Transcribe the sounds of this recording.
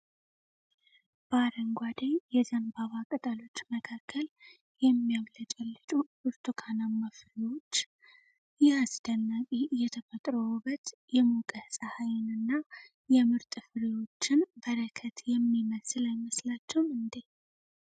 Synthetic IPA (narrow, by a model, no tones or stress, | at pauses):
b̥aɾəŋɡʷad̪əɲjɛzənbaβakʼət̪ʼalo̞t͡ʃːməkʰakʰːəl | jɛmːijaβlət͡ʃʼɛlːɨt͡ʃʼubɨɾt̪ʰukʰanaməflewo̞t͡ʃː | jɛhasd̪ənːaβʼijɛt̪ʰəfət̪ʼɾəwbət̪jɛmukʼəhsʼahajɪnɨnːa | jɛmɨɾt̪ʼɨfɨɾiwo̞t͡ʃːɪnbəɾəkʰət̪jɛmːiməslajməslat͡ʃːɛwmɨnd̪e